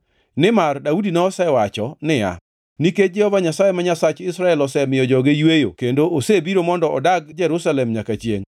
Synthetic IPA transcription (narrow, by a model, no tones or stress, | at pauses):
nɪmardaudinɔɔsɛwat͡ʃɔnɪja̰ | niked͡ʒɛhɔvaɲasajemaɲasat͡ʃɪsɾaɛlɔsɛmɪjɔd͡ʒɔɡɪjwejo̰kendoːsebiɾomɔndɔɔ̰daɡd͡ʒɛɾusalɛmɲakat͡ʃjḛŋ